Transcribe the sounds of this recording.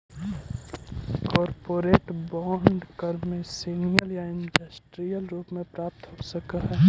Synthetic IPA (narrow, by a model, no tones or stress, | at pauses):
kɔːɾpoːɾeːʈbɔːɳɖkəɾmẽsiːnijəljaɪnɖəsʈɾijəlɾuːpmẽpɾaːp̚t̪ɦosəkaɦɛː